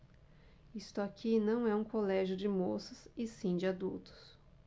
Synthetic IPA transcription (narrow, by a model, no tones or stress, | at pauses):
ist̪ʊakʰinɐ̃w̃ɛũkolɛʒʊd͡ʒɪmosɐsɪsĩd͡ʒɪad̪ut̪ʊ̥s